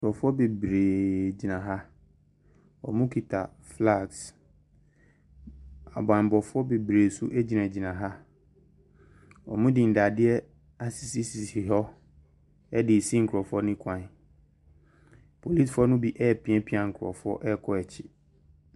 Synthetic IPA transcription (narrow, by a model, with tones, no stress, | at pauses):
kʰɾɔ˨fʊ˦ɔ˦be˨bɾeː˨d͡ʑi˨nã˨ɦa˦ | ɔ̰˨mũ˦kʰi˨tʰa˨ | fla˦˨ks | a̰˨bã˨bɔ˨fʊ˦ɔ˦be˨bɾeː˨su˦ʔɛ˦d͡ʑi˨nã˨d͡ʑi˨nã˨ɦa˦ | ɔ̰˨mũ˦dɪ̃˨n̩˨da˨dɪ˦ɛ˦ | a˨sɪ˨si˦si˨si˨ɦɔ˦ | ɛ˦dɪ˨sĩ˦ŋ̩˨kʰɾɔ˨fʊ˦ɔ˦nɪ̃˦kʰã˨n˨ | pʰo˨li˦fɔ˦nʊ̃˦bi˦ʔɛ˦˨pʰĩ˦ɛ̃˦pʰi˦ã˨ŋ̩˨kʰʊ˨ɾɔ̰˨fʊ˦ɔ̰˦ʔɛ˦kʰɔ˦ɛ˨t͡ɕʰɪ̥˨